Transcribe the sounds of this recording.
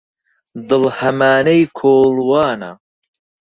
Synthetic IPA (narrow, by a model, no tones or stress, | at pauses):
d̪ɨlhɐmaːnejkʰoːlwɑːnɐ̰